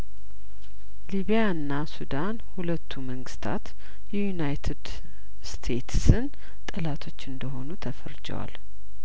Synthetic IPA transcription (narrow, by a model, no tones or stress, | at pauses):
liβijaɨnːasud̪anhulət̪ʰːuməŋɡɨst̪ʰa̰t̪ | jɛjunajt̪ʰɨd̪ | st̪ʰe̞t̪sɨn | t̪ʼɨlat̪ʰo̞t͡ʃːɨnd̪əɦo̞nut̪ʰəfə̰ɾd͡ʒə̰wa̰l